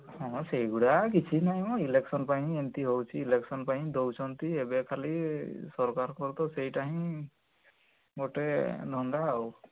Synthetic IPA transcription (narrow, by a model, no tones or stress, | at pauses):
hɔ̃seɦjɡuɽak̬it͡ʃʰinaɦj̃mɔileksɔnpaɦĩent̪iɦowt͡ʃʰiːleksɔnpaɦĩd̪owt͡ʃʰɔnt̪iebekʰalisɔɾkaɾkɔɾt̪ɔsejʈaɦĩ | ɡɔʈed̪ʱɔnd̪aːw